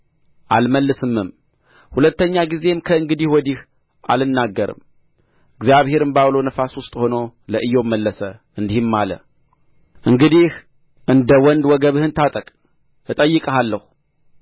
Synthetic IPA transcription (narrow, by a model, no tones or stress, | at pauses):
ʔalməlːɨsɨmːɨm | hulət̪ːəɲːaɡize̞mkʰəɨŋɡɨd̪ihwɔd̪ih | ʔa̰lɨnːaɡːəɾɨ̰m | ɨɡzjaβhe̞ɾɨmbaβlo̞nəfaswʊst̪ʼho̞no̞ləʔɨjːo̞mːəlːəsə | ɨnd̪ihɨmːalə̰ | ʔɨŋɡɨd̪ih | ʔɨnd̪əwɔnd̪wɔɡəβɨhɨnt̪ʰat̪ʼəkʼ | ɨt̪ʼəjːɨkʼəɦalːəhu